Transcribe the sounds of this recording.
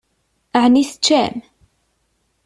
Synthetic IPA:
əʕniθt͡ʃːæm

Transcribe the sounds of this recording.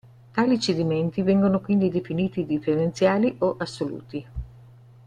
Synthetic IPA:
t̪aːlit͡ʃed̪iment̪ivɛŋɡonokwind̪id̪efiniːt̪id̪ifeɾent̪sjaːliʔoʔasːolṵːt̪i

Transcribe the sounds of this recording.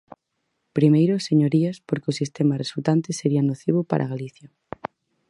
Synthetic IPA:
pɾimejɾoseɲoɾiaspoɾkeosist̪emaresult̪ant̪eseɾianoθiβ̞opa̰ɾʔa̰ɣaliθja

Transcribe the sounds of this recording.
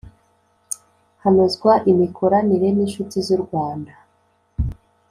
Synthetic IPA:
hanezɡwaʔimikʰoɾaniɾe̞ninʃutizuɾɡwaːnda

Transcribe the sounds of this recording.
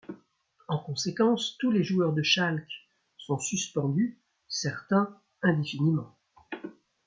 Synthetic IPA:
ɑ̃kɔ̃sekɑ̃st̪uleʒuœʁd̪əʃalk | sɔ̃syspɑ̃d̪y | sɛʁt̪ɛ̃ | ɛ̃d̪efinimɑ̃

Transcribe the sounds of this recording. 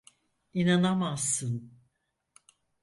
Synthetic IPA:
inanamasːɯn

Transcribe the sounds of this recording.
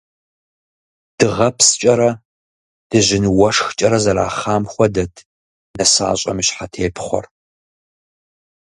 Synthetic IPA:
d̥ɨʁɐpʰst͡ʃʼɐɾɐ | d̥ɨʑɪnɨwɐʂxt͡ʃʼɐɾɐzɐɾa̰ːχaːmxʷɔdɐtʰ | nɐsa̰ːɕʼɐ̰miɕħatʰeːpʰχʷɔ̰r

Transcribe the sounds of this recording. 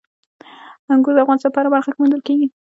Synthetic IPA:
aŋɡuzd̪afɣɑnsɑpɑɾabaɾxakʲɪmand̪əlkeɡi

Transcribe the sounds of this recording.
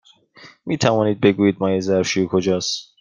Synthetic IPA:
miːt̪ʰævɒːniːd̪̚be̞ɡuːjiːd̪̚mɒːjezæɾʃijokʰod͡ʒɒːs

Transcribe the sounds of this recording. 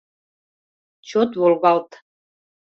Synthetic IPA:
t͡ɕʰot̪wolˠβɑlˠt̪

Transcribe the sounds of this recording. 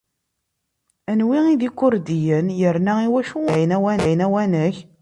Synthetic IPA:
ænwiiðikːʊɾd̪ijənjəɾnæiwæʃuæjənæwænæjənæwænəç

